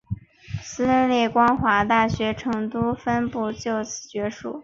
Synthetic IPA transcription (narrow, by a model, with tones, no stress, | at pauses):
sɹ̩˥lə˥˧nlɛ˥˩kwɑ˥ŋxwa˧˥t̪a˥˩ɕɥɛ˧˥ʈ͡ʂʰɤ˧˥ŋt̪u˥fə˥npu˥˧t͡ɕjo˥˩ʊt͡sʰɹ̩̥˨˩t͡ɕɥɛ˧˥ʂṵ˨˩˦